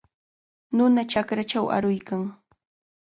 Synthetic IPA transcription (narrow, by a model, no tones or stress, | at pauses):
nʊnat͡ʃakɾat͡ʃawʔa̰ɾʊjkaŋ